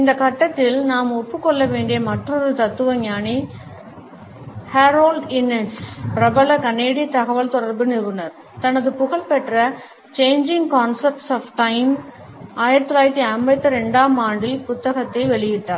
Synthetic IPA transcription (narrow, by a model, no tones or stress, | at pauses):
ɪnd̪ɐkɐʈːɐt̪ːɪlnaːmɔpːɯkːɔɭːɐʋeːɳɖɪjɐmɐʈrɔɾɯt̪ɐt̪ːɯʋɐɲaːni | haɾoːlɖɪnːɛspɪɾɐbɐlɐkɐneːɽit̪ɐɣɐʋɐɭt̪ɔɽɐɾbɯnɪɾɯnɐɾ | t̪ɐnɐðɯpʊɣɐɭpɛʈrɐ | t͡ʃeːɲd͡ʒɪŋɡkaːnsɐp̚ʈsaːfʈɐɪm | aːjɪɾɐt̪ːɔlaːjɪɾt̪ːiɐmbɐt̪ːɯɾɛɳɖaːmaːɳɖɪlpʊt̪ːɐɣɐt̪ːɐɪʋɛɭɪjɪʈːaːɾɾ